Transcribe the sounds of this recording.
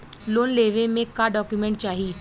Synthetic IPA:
loːnleːʋemẽkaɖɔːkjumẽɳʈt͡ʃaːɦi

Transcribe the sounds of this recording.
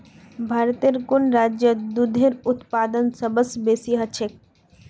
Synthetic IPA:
bʱaːɾt̪iɾkʊnɾaːd͡ʒjəd̪ud̪ʱeɾʊt̪paːd̪ənsəbəsbeːsiɦɐt͡ʃʰek̚

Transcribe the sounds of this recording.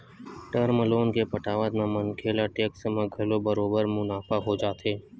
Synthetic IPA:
ʈəɾməloːnkepɐʈaːʋət̪mãmɐnkʰeːlaʈeːksəmãɡʱɐlobəɾoːbəɾmʊnaːfaɦod͡ʒaːt̪eː

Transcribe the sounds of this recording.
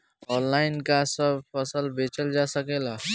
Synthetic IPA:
ɔːnlaɪnkasəbʱpʰəsəlbet͡ʃəld͡ʒasəkela

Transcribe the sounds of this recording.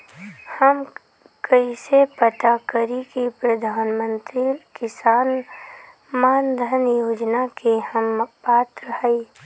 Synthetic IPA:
həm | kəisepət̪akəɾikipɾɐd̪ʱaːnmə̃nt̪ɾilkɪsaːn | maːnd̪ʱənjoːd͡ʒnakehəmpaːt̪ɾəhəi

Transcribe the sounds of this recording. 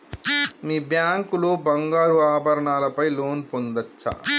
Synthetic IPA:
miːbjaːŋkuloːbɐŋɡaːɾuaːbʱɐɾɐɳaːlɐpɐjloːnpond̪ɐt͡ʃːɐ̰

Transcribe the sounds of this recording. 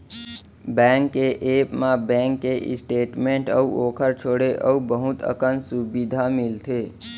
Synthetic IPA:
bɛ̃ŋkːeʔepmabɛ̃ŋkːeʔḭsʈeʈmẽɳʈəuʔokʰəɾt͡ʃʰoɽeʔəubəɦut̪ʰə̰kənsubid̪ʱamilt̪ʰe

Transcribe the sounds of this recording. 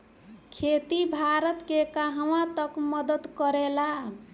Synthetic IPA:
kʰet̪ibʱaɾət̪kekaɦəwãt̪əkmʌd̪ət̪kəɾela

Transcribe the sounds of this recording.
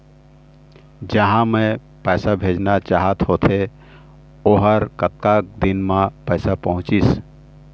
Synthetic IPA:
d͡ʒəɦãmẽ | pɛːsabʱeːd͡ʒnat͡ʃaːɦət̪hoːt̪ʰe | oɦəɾkət̪̚kak̚d̪ɪnmãpɛːsapəɦʊ̃t͡ʃis

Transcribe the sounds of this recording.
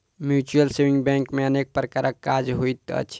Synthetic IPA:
mjut͡ʃuəlsewĩŋɡbɛ̃ŋkmeənek̚pɾəkaɾəkːad͡ʒɦojt̪ə̰t͡ʃʰ

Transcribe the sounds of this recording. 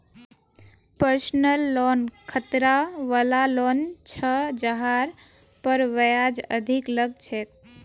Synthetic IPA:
pəɾsnəlːɔnkʰət̪ɾaʋəlalɔnt͡ʃʰəd͡ʒəɦaɾ | pəɾʋəjad͡ʒə̰d̪ʱikləɡ̚t͡ʃʰet̪̚

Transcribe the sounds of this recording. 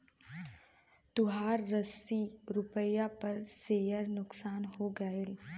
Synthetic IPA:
t̪ʊɦaːɾːəsiɾʊpəjapɐɾseːjəɾnʊksaːnɦoɡɐel

